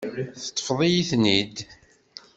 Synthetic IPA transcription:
θət̪ˤːə̥fðˤijiθnid̪

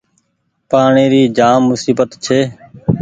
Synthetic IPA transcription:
paːɳeːɾiːd͡ʒaːmːʊsiːbət̪t͡ʃʰeː

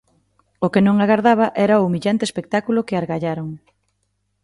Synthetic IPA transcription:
okenõŋaɣaɾðaβ̞aʔɛɾaoumiʎant̪espek̚t̪akulʊkeaɾɣaʎaɾoŋ

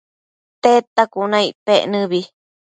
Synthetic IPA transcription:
t̪et̪akunãiʔpeʔnɨ̃βi

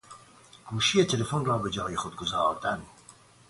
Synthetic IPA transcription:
ɡ̥uʃijet̪ʰelefonrɑːbəd͡ʒɑːjixʊd̪̚ɡʊzɑːt̪æn

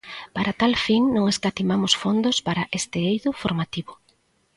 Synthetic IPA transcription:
paɾat̪alfiŋnõŋeskat̪imamʊsfond̪ʊspaɾaʔest̪ɪejðʊfoɾmat̪iβʊ

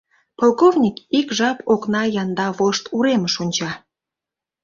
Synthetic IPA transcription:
polˠkovnʲikikʒɑpoknɑjɑnd̪ɑβoʃt̪uɾeməʃonʲt͡ɕɑ

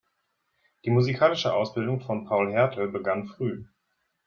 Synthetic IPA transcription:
d̥iːmuzikʰaːlɪʃəʔaʊsb̥ɪldʊŋfɔnpʰaʊlɦɛɐtʰl̩bəɡanfʁ̥yː

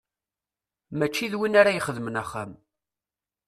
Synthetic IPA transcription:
mæt͡ʃːiðwinaɾajəχəðmənæχːa̰m

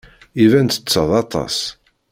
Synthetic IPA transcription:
ivænt̪ə̥t͡sːəðˤɑt̪ˤɑ̰s

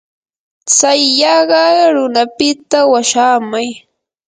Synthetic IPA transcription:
t͡sajːɑɢɑɾʊnapɪt̪awaʃaːmaj

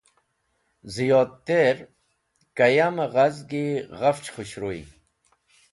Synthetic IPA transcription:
zijoːt̪̚t̪eɾ | kɐjamɐʁɐzɡiɣɐft͡ɕχuɕɾoḭ

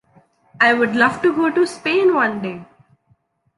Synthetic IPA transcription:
aɪʋʊɖlʌʋʈuɡoːʈuspẽːnʋʌ̃nɖeː

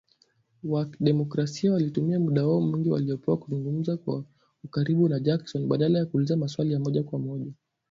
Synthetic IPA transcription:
waɗɛmɔkɾasiawalitumiamuɗawaɔm̩wiŋɡiwa̰lijɔpɛwakuzuŋɡum̩zakwa | ukaɾiɓunad͡ʒaksɔnɓaɗalajakuːlizamaswalijamɔʄakwamɔʄa

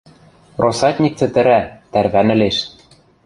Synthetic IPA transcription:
rʔosɑt̪ʲnʲik̚t͡sɘ̆t̪ɘ̆ɾæt̪æɾβænɘ̆leʃ

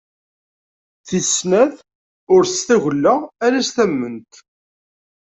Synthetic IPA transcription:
θisnæð | ʊɾst̪æʝəlːæːɾæst̪æmːənt̪

